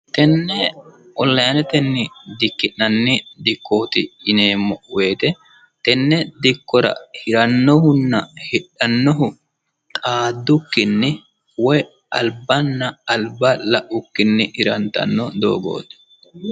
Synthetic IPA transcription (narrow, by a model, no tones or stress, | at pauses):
t̪ɛnːɛ | ʔɔlːɐjnɛt̪ɛnːɪd̪ɪkːɪnːɐnːɪd̪ɪkːoːt̪ɪɪneːmːɔʔweːt̪ɛ | t̪ɛnːɛd̪ɪkːɔɾɐ̰hɪɾɐnːɔhʊnːɐhɛᶑɐnːɔɦʊ | t̪ʼaːd̪ːʊkːɪnːɪ | wɔj | ʔɐlbɐnːɐɐlbɐlɐʔʊkːɪnːɪʔɪɾɐnt̪ɐ̰nːɔd̪o̰ːɡo̰ːt̪ɛ̥